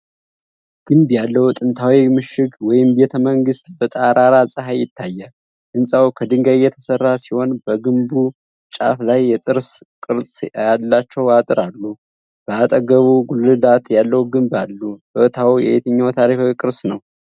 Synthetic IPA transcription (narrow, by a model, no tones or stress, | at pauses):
ɡ̥ɨmbjalːəwut̪ʼɨnt̪ʰawimɨʃɪɡwɔjɪmbet̪ʰəməŋɡɨst̪bət̪ʼaɾaɾasʼɨɦajɪt̪ʰːajːal | ʔɨnsʼawkʰəd̪ɨŋɡajːɛt̪ʰə̥sərːasiho̞nbəɡɨmbu | t͡ʃʼa̰flajːɛt̪ʼɨɾskʼɨɾsʼalːat͡ʃːɛwat̪ʼɨɾalːu | b̥əat̪ʼəɡəβuɡulːɨd̪at̪jalːəhwuɡɨmbalːubət̪ʰawjɛ̰et̪ʰəɲːawt̪ʰaɾikawikʼɨɾsnəw